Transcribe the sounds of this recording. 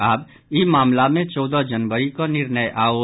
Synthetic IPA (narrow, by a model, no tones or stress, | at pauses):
aːb | imaːmlamẽt͡ʃɔːd̪ad͡ʒənʋəɾikanɪɾnəjʔaːoː